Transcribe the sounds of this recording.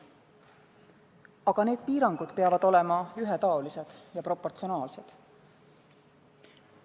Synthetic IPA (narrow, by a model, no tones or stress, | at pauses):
ɑɡ̥ɑne̞ːd̪̚piːɾɑŋɡ̥ud̪̥peɑvɑd̪̥o̞le̞mɑyɦet̪ɑolise̞d̪̥jɑpro̞pːo̞rt̪sio̞nɑːlse̞d̪̥